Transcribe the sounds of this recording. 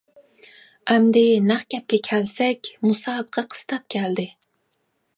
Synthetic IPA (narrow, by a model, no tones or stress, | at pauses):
ɛmd̪ɪnæχkʲɛp̚kʲɛkʲʰælsɛkʲmusɑːbəqʰɑqʰə̥st̪ʰɑp̚kʲʰæld̪ɪ